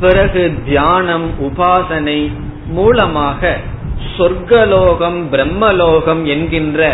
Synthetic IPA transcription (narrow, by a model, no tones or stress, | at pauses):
pɪɾɐɣɯd̪jaːnɐmʊbaːsɐnɐɪ | muːlɐmaːɣɐsɔɾɡɐloːɣɐmbɪɾɛmːɐloːɣɐmɛnɡɪndrɐ